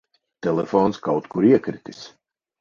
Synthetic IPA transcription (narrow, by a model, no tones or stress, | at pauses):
t̪ɛlˠɛfoːnskawt̪kuɾiɛkɾit̪is